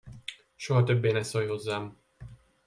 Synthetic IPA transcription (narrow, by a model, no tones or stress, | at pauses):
ʃoɦɒt̪øbːeːnɛsojho̞zːaːm